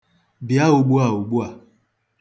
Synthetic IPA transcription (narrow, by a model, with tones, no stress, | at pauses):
bi˨a˦o˨ɡ͡bu˦a˨o˨ɡ͡bu˦a˨